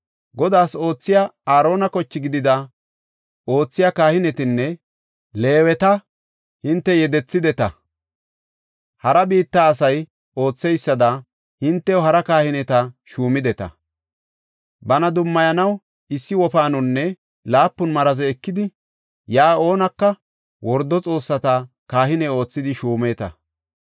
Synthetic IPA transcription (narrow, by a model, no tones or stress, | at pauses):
ɡɔd̪aːso̞ːt͡sːɪjaaːɾo̞ːnɐkɔt͡ʃːɪɡɪd̪ɪd̪ɐ | o̞ːt͡sːɪjakaːhɪnɛt̪ɪnːɛ | le̞ːwɛt̪ɐ | hɪnt̪ːɛjɛd̪ɛt͡sːɪd̪ɛt̪ɐ | hɐɾɐbiːt̪ːaːsɐj | o̞ːt͡sːɛjsːɐd̪ɐ | hɪnt̪ːɛɔɦɐɾɐkaːhɪnɛt̪ɐʃuːmɪd̪ɛt̪ɐ̰ | bɐnɐd̪ʊmːɐjɐnɐw | ɪsːɪwɔfaːnɔnːɛ | laːpːʊnmɐɾɐzɛːkːɪd̪ɪ | jaːo̞ːnɐkːɐ | wʔɔɾd̪ɔt͡sʼo̞ːsːɐt̪ɐ | kaːhɪnɛo̞ːt͡sːɪd̪ɪʃuːmeːt̪ɐ̰